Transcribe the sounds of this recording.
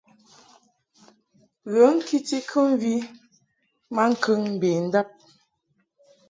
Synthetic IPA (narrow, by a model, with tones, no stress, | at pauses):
ɣə˨˦ŋ̩˦ki˦ti˦kʰə˦m˦vi˦ | ma˦ŋ̩˨kʰə˦ŋm̩˨be˨n̩˦da˦p̚